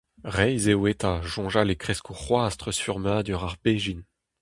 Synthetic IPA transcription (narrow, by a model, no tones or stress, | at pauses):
ʁɛjzewet̪aʒɔ̃ʒalekχɛskʰoʁwaːst̪χəsfyʁmad̪yʁaʁbɛʒin